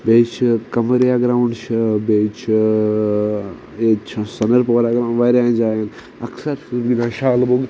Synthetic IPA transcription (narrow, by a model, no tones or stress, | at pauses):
beːt͡ʃʰkɐməɾijaːɡɾaːuɳɖʃbet͡ʃʰ | et͡ʃʰsɐnəɾpoːɾaɡɾaʋɐɾãːnd͡ʒaːjen | ɐksɐɾʃubɡinãːʃaːlboɡ